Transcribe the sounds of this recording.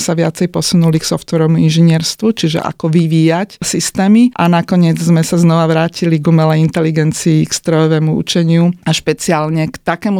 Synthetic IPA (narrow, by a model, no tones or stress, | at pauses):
saʋɪat͡sɛjpɔsunuliksɔft̪ʋɛɾɔmuinʒiɲɪɛɾst̪ʋut͡ʃiʒɛ̰ʔa̰kɔʋiʋiːjacsist̪ɛːmiʔanakɔɲɪɛd͡zzmɛsaznɔʋaʋɾaːciliɡumɛlɛjint̪ɛliɡɛnt͡siːkst̪ɾɔjɔʋɛːmuṵt͡ʃɛɲɪuaʃpɛt͡siaːlɲɛkt̪akɛːmu